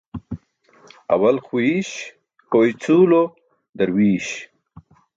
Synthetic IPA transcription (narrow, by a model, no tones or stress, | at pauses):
a̰walxwiɕ | kojt͡sulo | d̪aɾwiːɕ